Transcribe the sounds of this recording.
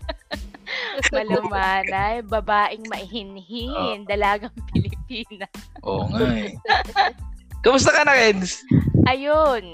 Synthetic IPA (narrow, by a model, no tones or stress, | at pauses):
mɐlɐmaːnɐjbɐbaːʔɪŋmɐʔɪhɪnhind̪ɐlaːɡɐŋpɪlɪpiːnɐʔo̰ŋa | kɐmʊst̪ɐkɐnɐɾɛd̪sʔɐjon